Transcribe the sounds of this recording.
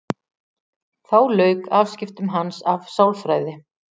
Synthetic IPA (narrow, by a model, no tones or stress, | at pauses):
θawlœːɥkaːfscɪft̪ʏmɦansavsawlfɾaːjðɪ